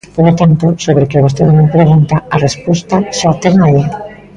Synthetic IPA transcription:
polot̪ant̪osoβɾekeoɣost̪eðonõmpɾeɣ̞unt̪aarespost̪aʃat̪eɾmaʎeɾ

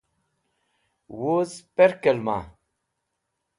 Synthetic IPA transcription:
wozpɛɾkəlma̰

